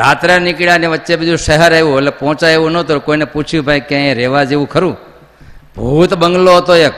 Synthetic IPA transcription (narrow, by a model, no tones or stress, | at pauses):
ɾat̪ɾanɪkɽjaniʋət̪ːʃebɪd͡ʒ̪ũʃəɦəɾeʋũelepɔ̃ɦt͡ʃaeʋũnət̪okoineput͡ʃʰjũbʱãĩkaẽɾeʋad͡ʒeʋũkʰəɾũ | bʱuːt̪bəŋɡloɦət̪oe